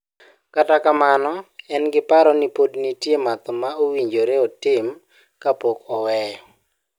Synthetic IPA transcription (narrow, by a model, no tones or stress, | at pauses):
katakamanɔɛnɡɪpaɾɔnipodnitjemat̪ɔmaowiɲd͡ʒoɾeɔtɪm | kapokɔwɛ